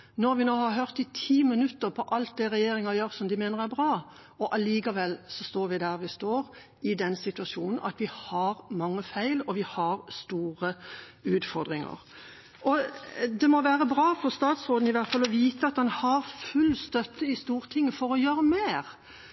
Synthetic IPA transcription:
nɔɾʋɪnoːhɑɾɦøʁt̪ɪt̪ʰiːmɪnʉt̪ːəɾpʰɔʔɑlt̪̚d̪ɛɾɛjeːɾɪŋɑjøːɾsɔmd̪ɪmeːnəʁæɾbʁɑː | ɔʔɑliːkɑʋɛlːsɔst̪oːɾʋɪd̪æɾʋɪst̪oːɾ | ɪd̪ɛnsɪt̪ʉɑsuːnn̩ʔɑ̰t̪ʋɪhɑɾmɑŋːəfæɪlɔʋɪhɑɾst̪uːʁəʉːt̪fɔɾd̪ʁɪŋə̰ʁ | ʔɔd̪ɛmɔʋæːʁəbɾɑːfɔɾst̪ɑːt̪sʁoːd̪n̩ɪʋæʁt̪fɑlːɔʋiːt̪əɑt̪̚d̪ɑnhɑɾfʉlːst̪œt̪ːəɪst̪uːʁt̪ʰɪŋːəfɔɾɔjøːɾəmeːʁ

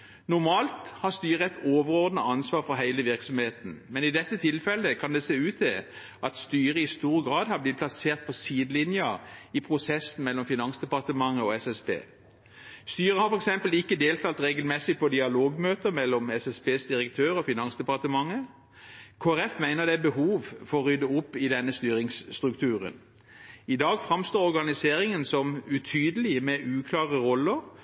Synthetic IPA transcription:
nʊɾmɑːlt̪hɑʁst̪yːʁəɛɪt̪ʰoːʋəɾɔʁd̪nəɑnsʋɑːʁfɔɦæɪləʋɪɾksɔmheːt̪n̩mɛnɪd̪ɛt̪ːət̪ʰɪlfɛlːəkʰɑnd̪ɛseːʉːt̪ɛ | ʔɑt̪st̪yːɾəɪst̪uːɾəɡɾɑːd̪hɑblɪt̪̚pʰlɑseːʁt̪̚pʰɔsiːd̪əlɪnjɑɪpʰʁʊsɛsːn̩mɛlːɔmfɪnɑnsd̪ɛpɑʁt̪əmɑŋːəɔɛsɛsbḛː | st̪yːʁəhɑʁfɔɾɛksɛmpəlɪkːəd̪eːlt̪ʰɑːlt̪ʁeːɡəlmɛsɪpʰɔd̪ɪɑloːɡmøːt̪əmɛlːɔmɛsɛsbeːsd̪ɪʁəkt̪ʰøːɾɔfɪnɑnsd̪ɛpɑʁt̪əmɑŋːə | kʰoːæɾɛfmæɪnəʁd̪ɛæbəhuːʋfɔɔʁʏd̪əʊpːɪd̪ɛnːəst̪yːɾɪŋst̪ʁʉkt̪ʰʉːʁə̰n | ɪd̪ɑːɡfʁɑmst̪oːɾɔʁɡɑnɪseːʁɪŋənsɔmʉt̪ʰyːd̪əlɪmɛʔʉːkʰlɑːʁəʁɔlːəʁ

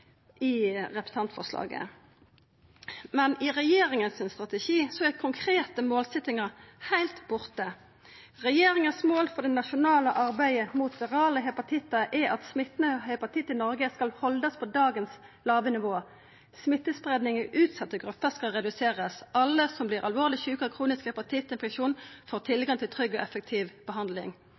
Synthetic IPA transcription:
ɪʁɛpt̪ʰɑnt̪fɔ̰ʁʂlɑ̰ːɡə̰ | mɛnɪʁɛjeːʁɪŋənsɪnst̪ʁɑt̪ɛʃiːsɔækʰʊŋkʰʁeːt̪əmoːlsɛt̪ɪŋəʁhæɪlt̪bʊʁt̪ə | ʁɛjeːɾɪŋənsmoːlfɔd̪ɛnɑʃʊnɑːləʔɑʁbæɪəmuːt̪̚d̪ɛʁɑːləɦɛpɑt̪ʰɪt̪ːəʔɛɑt̪smɪt̪nəhɛpɑt̪ʰɪt̪ːɪnɔʁɡəskɑlhɔld̪əspʰɔd̪ɑːɡənslɑːʋənɪʋoː | smɪt̪ːəsbʁed̪nɪŋəʔʉːt̪sɑt̪ːəɡʁʉpːəʁskɑlʁɛd̪ʉseːʁəsʔɑlːəsɔmbliːʁʔɑlʋoːʁlɪçʉːkəʁkʰʁuːnɪskhɛpɑt̪ʰɪt̪ːɪnfɛʃuːnfoːʁt̪ʰɪlɡɑŋt̪ʰɪlt̪ʰʁʏɡːɔʔɛfɛk̚t̪ʰiːʋb̥əɦɑnd̪lɪ̰ŋ

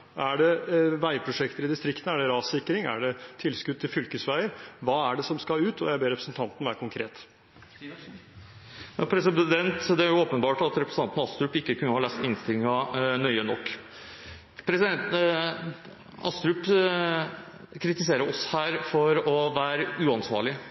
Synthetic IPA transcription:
ʔæɖɛʋæɪpʰɾʊʂɛkt̪əɾɪd̪ɪst̪ɾɪkt̪ən̩æɖɛɾɑːsɪkːɾɪŋæ̰ɖɛt̪ʰɪlskʉd̪̚t̪ʰːɪlfʏlkəsʋæɪəɾʋɑːæɖɛsɔmskɑʉːt̪ɔjæɪbeːɾɛpɾəsənt̪ʰɑnt̪ən̩ʋæːɾkʰʊŋkʰɾeːt̪ | ɑpʰɾɛsɪd̪ɛnt̪d̪ɛæɾjʊoːpənbɑːʈɑt̪ɾɛpɾəsəɑnt̪ənɑst̪ɾʉpɪkːəkʰʉnːəhɑːlɛːst̪ɪnst̪ɪlɪŋɑnœʏənɔkː | pʰɾɛsɛ | ɑ̰st̪ɾʉp | kʰɾɪt̪ɪseːɾəɾɔshæːɾfɔɾɔʋæːɾəʉɑnsʋɑ̰ːɭɪ

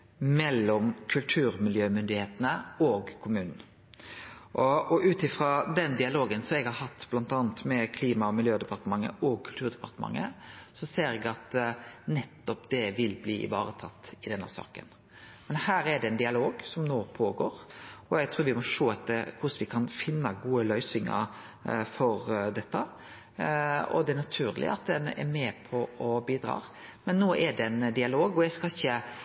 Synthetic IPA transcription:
mɛlːɔmkʰʉlt̪ʰʉːɾmɪljøːmʏnd̪ɪheːt̪ənəɔɡkʰʊmʉːnn̩ | ʔɔɔʉːt̪ɪfɾɑd̪ɛnd̪ɪɑloːɡənsɔmɛɡhɑɾhɑt̪ːb̥lɑnt̪ɑːnət̪mɛkʰliːmɑɔmɪljøːd̪ɛpɑɾt̪əmɑŋːə̰ʔɔɡ̚kʰʉlt̪ʰʉːɾd̪ɛpɑ̰ɾt̪əmɑ̰ŋːə̰sɔseːɾɛɡɑt̪nɛt̪ːɔpd̪ɛʋɪlblḭːʔɪ̰ʋɑ̰ːɾət̪ʰɑt̪ːɪd̪ɛnːə̰sɑ̰ːkə̰n | mɛnhæːɾɛɖɛɛnd̪ɪɑloːɡsɔmnoːpʰoːɡo̰ːɾɔjæɡt̪ʰɾuːɾʋɪmɔʂoːɛt̪ːəɾkʰʊsʋɪkʰɑnfɪnːəɡuːəlœʏsɪŋə̰ɾ | fɔɾd̪ɛt̪ːə | ɔ̰d̪ɛæɾnɑt̪ʰʉːɾlʔɪ̰ɑ̰t̪̚d̪ɛnɛ̰ɾmɛːpʰɔɔbiːd̪ɾɑ̰ːɾmɛnːoːʔɛɖɛnd̪ɪɑloːɡɔjæskɑɪçːə

